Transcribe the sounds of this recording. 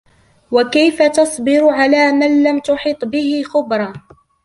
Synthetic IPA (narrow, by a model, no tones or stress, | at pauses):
wakajfat̪ɑsˤbɪɾʊʕalaːmanlamt̪ʊħiːt̪ˤbɪhɪxʊbɾˤɑ